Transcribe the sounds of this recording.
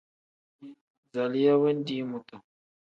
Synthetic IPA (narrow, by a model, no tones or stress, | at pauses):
zalijawend̪imut̪a